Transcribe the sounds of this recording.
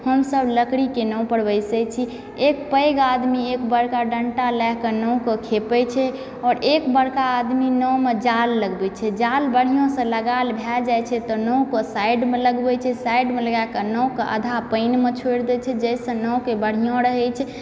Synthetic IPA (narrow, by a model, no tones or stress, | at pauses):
həmsəbləkɽikenəw̃pəɽbəjsɛt͡ʃʰi | ekpəjɡad̪miekbəɽkaɖəɳʈalɛɦkənə̃kəkʰepɛt͡ʃʰɛ | ɔːɾekbəɽ̤kaːd̪minɔmed͡ʒalːəɡbɛt͡ʃʰɛd͡ʒalbəɽ̤ijõsə̃ləɡalbʱɛld͡ʒajt͡ʃʰɛt̪ɔnəũkəsajɖmeləɡbɛt͡ʃʰɛsaiɖmeləɡakənəwkəʔə̰d̪ʱapəɪnmet͡ʃʰoɽd̪ɛt͡ʃʰɛd͡ʒɛjsə̃nɔwkebəɽ̤ijõɾəɦɛt͡ʃʰɛ